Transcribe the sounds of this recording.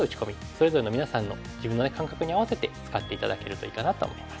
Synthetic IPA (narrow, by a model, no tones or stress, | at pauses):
ɯ̟t͡ɕi̥ko̞mʲi | so̞ɾe̞zo̞ɾe̞no̞mʲinasãnːo̞ | d͡ʑibɯ̃nːonekãŋkakɯ̟ɲ̟iaβase̞t̪e̞t͡sɨ̥kat̪ːe̞it̪ad̪ake̞ɾɯ̟t̪o̞iːkanat̪o̞̰ːmo̞̰imḁs